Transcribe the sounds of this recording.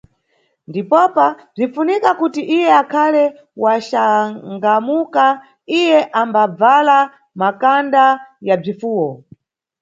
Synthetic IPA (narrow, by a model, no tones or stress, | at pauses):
ndipɔpab͡ʐinfunikakutiʔijɛakʰalɛ | waʃaŋɡamuka | ijɛʔambab͡vala | makandajab͡ʐifuːwɔ